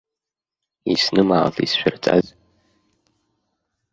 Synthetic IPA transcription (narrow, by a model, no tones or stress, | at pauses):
isnɨmaːlḭsʃʷᶣʊrt͡sʼa̰z